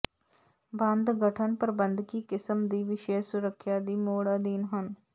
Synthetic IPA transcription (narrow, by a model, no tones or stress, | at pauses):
bə̃nd̪ɡəʈʰənpəɾəbənd̪kiːkɪsəmd̪iːʋɪʃeːsʊɾəkʰːjaːd̪iːmoːɽaːd̪iːnɦən